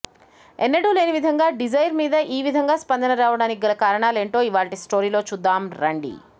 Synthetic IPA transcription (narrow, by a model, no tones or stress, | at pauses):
enːɐɽule̞ːniʋid̪ʱɐŋɡaːɖid͡ʒɐjɾmiːd̪ɐʔiːʋid̪ʱɐŋɡaːspɐnd̪ɐnɐɾaːʋɐɽaːniɡɐlɐkaːɾɐɳaːle̞ːɳʈo̞ːiʋaːɳʈisʈo̞ːɾiːlo̞ːt͡ʃud̪ːaːmɾɐɳɖḭ